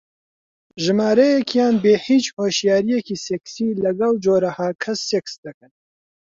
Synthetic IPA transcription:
ʒɪmaːɾɛjɛkjaːnbeːhiːt͡ʃhoːʃjaːɾijɛkiːsɛksiːlɐɡɐld͡ʒoːɾahaːkʰɐsːeksd̪ɨkɨn

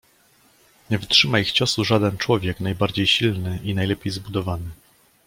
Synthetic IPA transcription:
ɲɛvɘtʂɘmaixt͡ɕɔsuʐad̪ɛnt͡ʂwɔvʲjɛknajbaɾd͡ʑejɕilnɘʔinajlɛpʲjejzbud̪ɔvanɘ

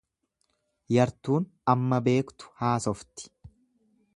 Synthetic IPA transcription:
jɐɾt̪uːn | ɐmːɐbe̞ːkt̪ʊ̥haːsɔft̪ɪ̥

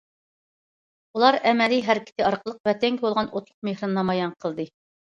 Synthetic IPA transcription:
ulˠɑɾɛmɛliɦæɾkʲʰɪ̥t̪ʰɪɑɾqʰəlˠəq̚vɛt̪ʰɛŋkʲɪbolˠʁɑnʔot̪lˠʊq̚mehɾɑnːɑmɑjɑnqʰəlˠd̪ɨ

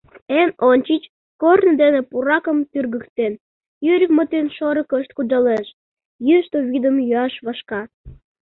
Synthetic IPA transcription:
enonʲt͡ɕit͡ɕ | kornəd̪enepuɾɑkəmt̪yrɡəkt̪en | jyɾʲəkmət̪enʃoɾəkəʃt̪̚kud̪ɑleʃ | jyʃt̪oβid̪əmjyɑʃβɑʃkɑ

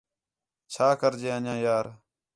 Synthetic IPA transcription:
t͡ʃʰaːkəɾd͡ʒeːənjãːjaːɾ

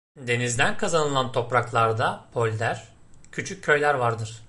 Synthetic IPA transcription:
d̪e̞nizd̪ænkʰazanɯlˠant̪ʰo̞pɾaklˠaɾd̪apʰo̞lʲd̪æɾ̥ | cʰyt͡ʃʰyc̚ʲʰːø̞jlʲæɾvaɾd̪ɯɾ̥

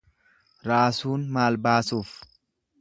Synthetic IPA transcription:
ɾaːsuːnmaːlbaːsuːf

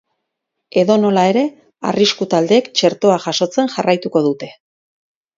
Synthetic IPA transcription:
e̞ðo̞no̞lae̞ɾe̞ | a̰riskut̪ald̪e̞ːkt͡ʃe̞ɾt̪o̞aʝaʃo̞t͡se̞nʝarʔajt̪uko̞ðut̪e̞

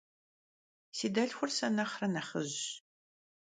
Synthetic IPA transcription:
siːdɐɬxʷʊrsɐnɐχrɐnɐχə̰ʑ

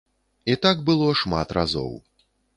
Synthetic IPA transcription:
it̪aɡ̚bɨlˠɔʂmat̪ɾʔa̰zɔ̰w

